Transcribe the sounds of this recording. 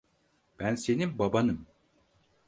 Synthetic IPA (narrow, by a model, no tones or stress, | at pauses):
b̥ænsenimbabɑnɯm